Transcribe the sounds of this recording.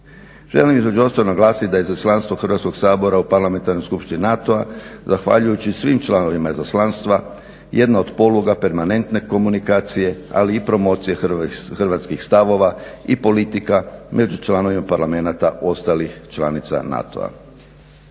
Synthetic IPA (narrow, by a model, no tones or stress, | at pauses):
ʒ̥e̞̰limizmed͡ʒo̞st̪aonaɡlaːsit̪d̪ajzoslˠanst̪ʋo̞xrɾʋat̪sko̞ɡ̥saːbo̞ɾaupaɾlame̞nt̪aɾno̞jskupʃt̪ininat̪oazaxʋa̰ʎujut͡ɕisʋimt͡ʃlˠano̞ʋimaizaslanst̪ʋa | je̞d̪naod̪po̞luɡape̞ɾmane̞nt̪ne̞ko̞munikaːt̪sije̞a̰liːpɾo̞mo̞ːt̪sijexrʋaːt̪skixst̪aʋo̞ʋaipo̞lit̪ikamʔe̞d͡ʒut͡ʃlˠano̞ʋimapaɾlame̞nat̪aʔo̞st̪alixt͡ʃlanit̪sa̰na̰t̪o̰a̰